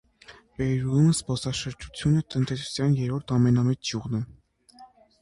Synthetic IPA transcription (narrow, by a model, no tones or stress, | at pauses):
vɛɾulunspɔsɑʃəɾd͡ʒut͡sʰjunət̪ənt̪ɛsu̥sjɑnjɛɾɔɾt̪ʰɑmɛnɑmɛt͡sd͡ʒjuʁnɛ